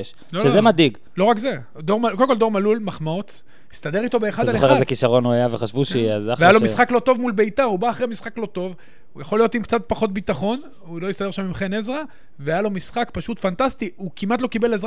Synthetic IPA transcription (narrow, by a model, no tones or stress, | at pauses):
ʃ | loʃezemadiɡ | lo̞ʁakze | d̪o̞ʁkolemkold̪o̞ʁmalulmaχmaot̪ | ist̪ad̪e̞ʁit̪o̞beeːχaddalzoχeʁezekiʃaʁo̞nuajaveχaʃvuʃeazaveajalo̞misχaklo̞t̪o̞vmulbe̞it̪aʁubaːχʁemisχaklo̞t̪o̞v | ujaχo̞lijo̞t̪imkt͡sat̪̚paχo̞t̪̬̚bit̪aχo̞n | ulo̞jist̪ad̪e̞ʃamimχenezʁa | veajalo̞misχakpaʃut̪fant̪ast̪iukimat̪lo̞kibe̞lezʁa